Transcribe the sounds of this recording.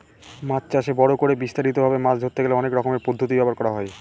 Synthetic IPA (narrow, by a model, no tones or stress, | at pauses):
mat͡ɕt͡ɕaʃebɔɽokoɾebist̪aɾit̪obʱabemat͡ɕd̪ʱoɾt̪eɡeleɔnekɾɔkomeɾpod̪ʱːot̪̬ibɛpoɾkɔɾaɦɔe